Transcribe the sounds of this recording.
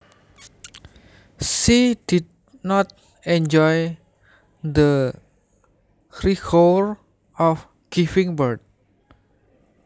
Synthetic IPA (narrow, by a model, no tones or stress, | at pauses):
sidid̚ | nɔt̪̚ | ɛ̃nd͡ʒɔj | d̪ə | rikʰoɹ | ɔf | ɡ̥ifĩŋbəɹd̚